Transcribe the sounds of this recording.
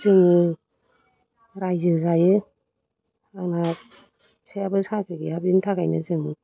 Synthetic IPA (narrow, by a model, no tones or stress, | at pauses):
zɯŋɯ | ɾajzɯzajɯ | aŋna | sejabɯsakɯɡijabintʰakajnɯzɯŋɯ